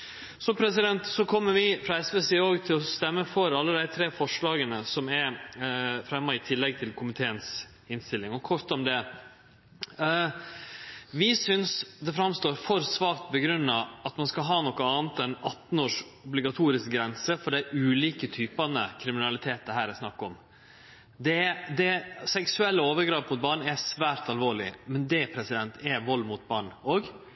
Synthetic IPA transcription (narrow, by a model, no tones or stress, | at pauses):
sɔmpʰɾɛsɪd̪ɛnt̪sɔkʰɔmːəɾʋɪfɾɑɛsʋəsɪoːɡt̪ʰɪlɔst̪ɛmːəfɔɾɑlːəd̪æɪt̪ʰɾeːfɔʂɭɑːɡənəsɔmɛɾ | fɾɛmːɑɪt̪ʰɪlːɛɡ̚t̪ʰɪlkʰʊmɪt̪ʰeːəns | ɪnst̪ɪlːɪŋɔkʰɔʂt̪ɔmd̪ɛ | ʋɪsʏnsd̪ɛfɾɑmst̪oːɾfɔɾsʋɑːkt̪̚bəɡɾʉnːɑɑt̪mɑnskɑɦɑːnɔkːəɑːnt̪ɛnɑt̪n̩oːʂ | ʊblɪɡɑt̪ʰuːɾɪsk̚ɡɾɛnsəfɔɖæʔʉːliːkət̪ʰyːpɑnəkʰɾɪmɪnɑlɪt̪ʰeːt̪̚əɦæːɾæsnɑkːɔm | d̪ɛd̪ɛsɛksʉɛlːəoːʋəɾɡɾɑːpmʊt̪̚bɑːɳæsʋæːɾt̪ɑlʋoːɭɪmɛnd̪ɛpʰɾɛsɪd̪ɛnt̪ʰɛʋɔlːmʊt̪̚bɑːɳoːɡ